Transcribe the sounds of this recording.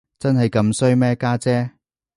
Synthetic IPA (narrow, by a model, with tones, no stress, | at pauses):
t͡sɐ˥nɦɐ˨jkɐ˧msɵ˥ɥmɛː˥kaː˥t͡sɛː˥